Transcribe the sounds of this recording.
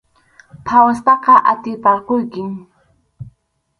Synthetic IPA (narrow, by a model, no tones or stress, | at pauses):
pʰawast̪ɑqɑʔa̰t̪ɪpɑɾqojkɪŋ